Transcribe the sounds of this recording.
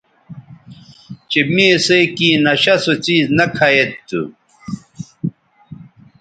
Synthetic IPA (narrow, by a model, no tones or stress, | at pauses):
t͡ɕemiesejkiːnɐɕɐsot͡ɕiːznɐkʰɐjet̪ːṵ